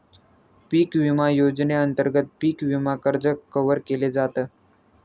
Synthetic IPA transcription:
piːkʋimajod͡zneənt̪əɾɡət̪̚piːkʋimakəɾd͡zəkəʋəɾkeled͡zat̪əː

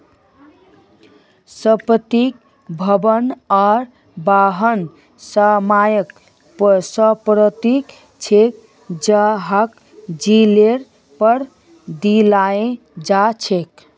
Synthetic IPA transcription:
səpət̪ik̚ | bʱəbənɔɾ | baɦən | səmajək | psəpɾət̪ik | t͡ʃʰek̚ | d͡ʒaɦak | d͡ʒileɾ | pəɾ | d̪ilaẽ | d͡ʒat͡ʃʰek

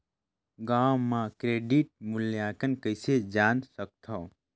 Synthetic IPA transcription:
ɡãːwmãkɾeːɖiʈ̚muljaːkənkəjsed͡ʒaːnsək̚t̪ʰo

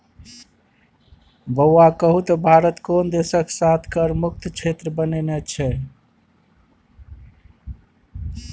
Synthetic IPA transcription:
bəwːakəɦut̪əbʱaɾət̪kond̪esəksat̪ʰkəɾmuk̚t̪t͡ʃʰet̪ɾəbənenɛt͡ʃʰɛ

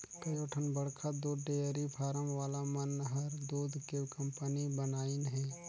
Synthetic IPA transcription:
kɐjoːʈʰənbɐɽkʰad̪oːɖejəɾipʰaːɾəmʋaːlamɐnɦɐɾd̪oːd̪ʱkekɐ̃mpənibənaːinɦɛ̃ː

